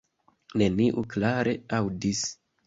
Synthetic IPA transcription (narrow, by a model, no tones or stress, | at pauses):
ne̞niʔuklaɾʔe̞awdis